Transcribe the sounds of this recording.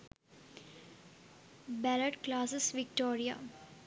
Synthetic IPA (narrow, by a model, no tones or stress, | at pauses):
bɛləɖklaːsɪsʋɪkʈoːɾija̰